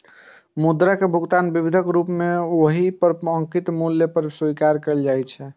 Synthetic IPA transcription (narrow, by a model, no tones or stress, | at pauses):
mud̪ɾakebʱuɡt̪anbibid̪ʱəkɾupmeoɦipəɾəŋkit̪muljəpəɾsuikaɾkəld͡ʒajt͡ʃʰɛ